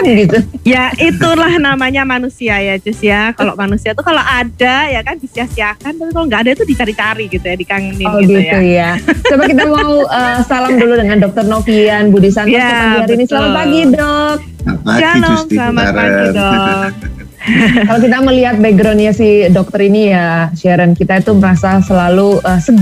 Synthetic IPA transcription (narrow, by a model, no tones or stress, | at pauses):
nɡit̪ujait̪ulahnamaɲamanusiajad͡ʒʊsjakalo̰ʔmanusiat̪ukaloʔadajakandisiasiakant̪apikaloŋɡaːdait̪udit͡ʃaɾit͡ʃaɾiɡit̪ujadikaŋənbəɡit̪ujaəbakit̪amauəsalamduludəŋandɔk̚t̪ərnokianbudisant̪ɔəaɡiɦaɾinisəlamat̪̚paɡidɔk̚aanɔslamaaɡidɔk̚ | kalokit̪aməliɦat̪̚beɡɾɔnɲasɪdɔk̚t̪əɾinijaʃaɾənkit̪ait̪uməɾasasəlaluʔəsə